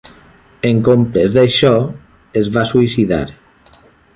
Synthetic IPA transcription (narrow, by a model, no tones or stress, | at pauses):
eŋkompɾezðeʃɔ | ezβasuisiða̰ɾ